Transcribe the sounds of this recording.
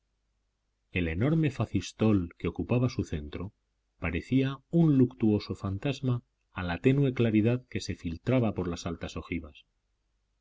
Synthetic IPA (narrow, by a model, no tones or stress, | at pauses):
e̞le̞no̞ɾme̞faθist̪o̞lkeo̞kupaβ̞asuθe̞nt̪ɾo̞ | paɾe̞θiaunlukt̪uo̞so̞fant̪azmaː | lat̪e̞nwe̞klaɾið̞aðke̞se̞filt̪ɾaβapo̞ɾlasalt̪aso̞xiβas